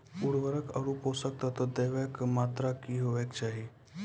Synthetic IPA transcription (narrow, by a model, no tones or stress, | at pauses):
uɽʋəɾəkə̰ɾupɦosək̚t̪at̪əd̪eʋekmat̪ɾakiɦoʋekt͡ʃaɦi